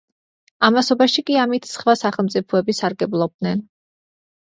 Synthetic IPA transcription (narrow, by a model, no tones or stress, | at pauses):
amasɔbaʃikʼiamit̪ʰsχwasaχɛlˠmt̪sʼipʰɔɛbisaɾɡɛblˠɔb̚d̪nɛn